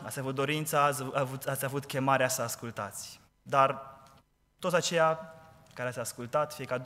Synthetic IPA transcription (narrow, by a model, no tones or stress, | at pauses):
at̪sʲjavut̪̚d̪o̞ɾint̪saavuat̪sʲavut̪kʲe̞maɾeasəaskult̪at̪sʲ | d̪ar | t̪ot̪sʲat͡ʃe̞ja | kaɾeat̪sʲaskult̪at̪fijekad̪